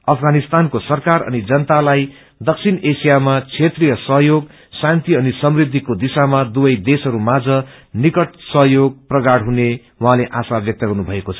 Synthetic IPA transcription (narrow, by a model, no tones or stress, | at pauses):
ʌpʰɡanist̪ankosʌrkarʌ̰nid͡zʌnʌt̪alaj | d̪ʌksʰinesijamat͡sʰet̪rijʌsʌɦjoɡ | sãnt̪iʌnisʌmrid̪ʱːikod̪isamad̪ubʌjd̪esʌɾumad͡zʌnikʌʈsʌɦjoɡ̚prʌɡaɽɦune | wãɦãleʔasabjʌk̚t̪ʌɡʌrnubʱʌekot͡sʰʌ